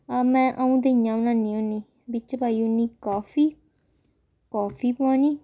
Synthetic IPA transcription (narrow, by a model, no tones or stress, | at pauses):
amɛ̃ːʔaũːd̪eɲãʊnãnĩonĩ | bɪt͡ʃpaːionĩkɔːfiː | kɔːfiːpãnĩː